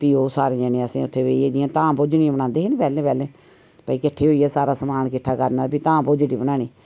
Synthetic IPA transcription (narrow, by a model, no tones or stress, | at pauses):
piːoːsaːɾẽːd͡ʒɛːnẽːəsḭ̃ːʊt̪ʰːeːʋeːiːeːd͡ʒijãːt̪ãːpʊd͡ʒnĩːbəɽãːnd̪eːɦeːnĩːpɛːlẽːpɛːlẽː | pəiːkɪʈʰːeːɦoːiːɛːsaːɾaːsəmaːɳkɪʈʰːaːkəɾnaːpiːt̪ãːpʊd͡ʒɽiːbənaːɽ̃iː